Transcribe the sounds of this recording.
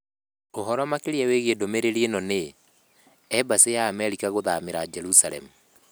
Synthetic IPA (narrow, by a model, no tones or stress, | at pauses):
oɦɔɾɔmakeɾeɛweɣedomeɾeɾienɔne | ɛbasejaːmɛɾikaɣoðameɾad͡ʒɛɾusaɾɛ̰mu